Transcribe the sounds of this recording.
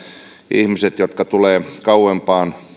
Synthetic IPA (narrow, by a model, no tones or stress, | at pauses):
ihmiset̪jot̪kɑt̪uleːkɑuwempɑːn